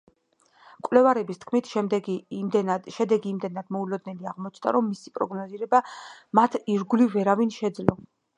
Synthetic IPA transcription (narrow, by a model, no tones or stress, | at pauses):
kʼwlɛvaɾɛbist̪ʰkʰmit̪ʰʃɛ | ʃɛd̪ɛɡiːmd̪ɛnad̪̥mɔulɔd̪nɛliaʁmɔt͡ʃʰnd̪a̰ɾɔmːisipʼɾɔ̰ɡnɔziɾɛbamat̪ʰiɾɡulivɛɾavinʃɛd̪zlɔ